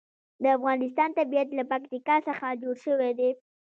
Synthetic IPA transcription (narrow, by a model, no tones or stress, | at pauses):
d̪əafɣɑnɪs̬t̪ɑnt̪abijat̪lapakt̪ikɑsəxad͡ʒoɽʃəwed̪e